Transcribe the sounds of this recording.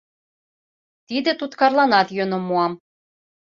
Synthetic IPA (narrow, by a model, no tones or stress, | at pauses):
t̪id̪ɘ̆t̪ut̪kɑrlˠɑnɑt̪jønomuɑm